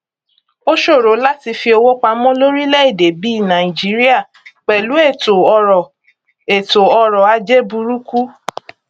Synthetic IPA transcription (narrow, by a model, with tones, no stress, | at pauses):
o˦ʃo˦˨ɾo˨˦la˦ti˧fi˧o˧wo˦k͡pa˧mɔ̃˦lo˦ɾi˦lɛ˦i˦˨de˨bi˦i˦˨nã˨i˨d͡ʒi˨˦ɾi˦a˦˨ | k͡pɛ˨lu˨˦e˦˨to˨ɔ˧ɾɔ˨ | e˨to˨ɔ˧ɾɔ˨a˧d͡ʒe˦bu˧ɾu˦ku˦